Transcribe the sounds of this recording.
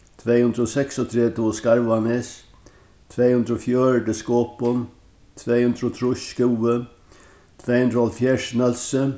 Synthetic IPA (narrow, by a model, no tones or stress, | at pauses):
t̪ʰveːhʉnd̪ɾɔsɛksɔt̪ʰɾɛːd̪oskaɹʋanes | t̪ʰveːhʉnd̪ɾɔfjøːɹɖəskoːpʊn | t̪ʰveːhʉnd̪ɾɔt̪ʰɾʊʃkɪwə | t̪ʰveːhʉnd̪ɾəɔlfjɛʂnɛlsə